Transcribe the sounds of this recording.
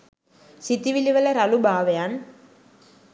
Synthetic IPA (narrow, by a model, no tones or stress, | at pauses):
sit̪ːiʋiliʋɐlɐɾɐlubaːʋɐjaːn